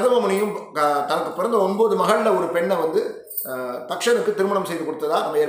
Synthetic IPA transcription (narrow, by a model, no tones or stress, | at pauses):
ðɐʋɐmʊɳɪjɯmt̪ɐnɐkːɯpːɪɾɐnd̪ɐɔnboːðɯmɐɣɐɭlɐɔɾɯpɛɳːɛʋɐnd̪ɯ | t̪ɐkʂɐnɯkːɯt̪ɪɾɯmɐɳɐmsɛjðɯkɔɽɯt̪ːɐðaːnɐmːɐeːɾ